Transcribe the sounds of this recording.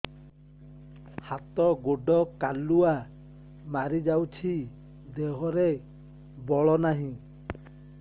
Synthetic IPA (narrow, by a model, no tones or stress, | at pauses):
hat̪ɔɡoɖɔkalua | maɾid͡ʒawt͡ʃʰi | d̪eɦɔɾe | bɔɭɔnaɦĩ